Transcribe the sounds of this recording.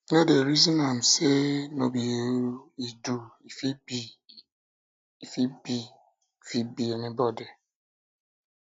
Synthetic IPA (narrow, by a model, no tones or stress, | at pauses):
nadeɾizɔ̃nam̩senobieɾuiduifibi | ifibi | fibienibɔdi